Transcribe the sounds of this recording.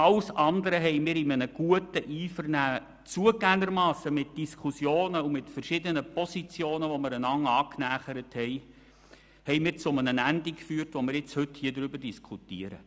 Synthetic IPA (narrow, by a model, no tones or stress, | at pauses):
ɑləsɑnd̪əɾəɦɛɪmɪːɾɪmənəɡ̥uətəʔiːfərnæː | t͡suəɡæŋəɾmɑːsːəmɪt̚d̥iskʰusjoːnəumɪtfəɾʃɪdənəpɔsit͡sjoːnəʋɔmɪɾənɑŋɑːknæːχəɾəthɛɪ | hɛɪmɪːɾt͡sʊmənənændikfyːrtʋɔmɪːɾɪt͡shɵthiːədɾʏbərd̥iskʰutiəɾə̰